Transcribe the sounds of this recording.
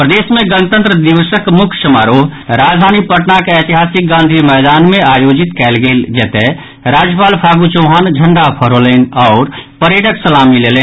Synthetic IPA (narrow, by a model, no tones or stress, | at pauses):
pɾəd̪eːsmẽɡənt̪ə̃nt̪ɾəd̪iʋəsəkmʊkʰsəmaːɾoːɦɾaːd͡ʒd̪ʱaːnipəʈnakeɛt̪iɦaːsik̚ɡãːnd̪ʱimɛːd̪aːnmẽaːjod͡ʒit̪kɛlɡeld͡ʒɛːt̪e | ɾaːd͡ʒjəpaːlpʰaːɡut͡ʃoɦaːnd͡ʒʱəɳɖapʰəɾoleːnɔːɾpəɾeʈəksəlamilelen